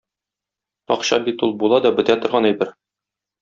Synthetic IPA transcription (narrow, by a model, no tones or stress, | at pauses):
ɒ̰qɕɑ̰bit̪ulˠbulˠɑd̪ɒbɘ̆t̪æt̪ŏɾʁɑnæjbɘɾ